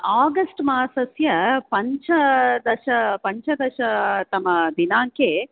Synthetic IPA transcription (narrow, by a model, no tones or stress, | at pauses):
aːɡɐsʈmaːsɐsjɐpɐɲt͡ʃɐd̪ɐʃɐpɐɲt͡ʃɐd̪ɐʃɐt̪ɐmːɐd̪inaːŋke